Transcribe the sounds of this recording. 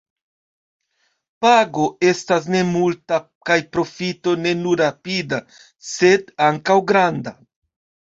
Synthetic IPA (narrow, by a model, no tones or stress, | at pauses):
paɡo̞e̞stas̬ne̞multa | kajpɾo̞fito̞ne̞nuɾapida | se̞daŋkawɡɾanda